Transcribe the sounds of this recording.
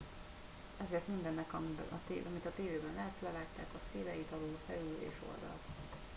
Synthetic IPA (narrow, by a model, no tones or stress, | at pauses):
ɛzeːrt̪mind̪ɛnːɛkɒmbɛ̰nʔɒ̰t̪ːʔɒmit̪ɒt̪eːveːbɛnlaːt̪slɛvaːt̪ːaːkɒseːlɛjit̪ɒloːfɛlylḛːʃo̞̰ld̪ɒ̰l